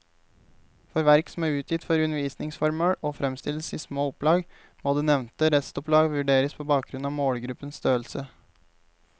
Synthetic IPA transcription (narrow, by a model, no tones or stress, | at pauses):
fɔɾʋæɾksɔm̩æːʉːt̪jɪt̪fɔɾʉnəɾʋiːsnɪŋsfɔɾməɽoːfɾɛmst̪ɪləsiːsmoːʊplɑːɡ | moːd̪eːnɛʋnt̪əɾɛst̪ʊpʰlɑːɡʋʉɖeːɾəspʰoːbɑːk̚ɡɾʉnɑːʋmoːɽɡɾʉpənst̪øːəlsə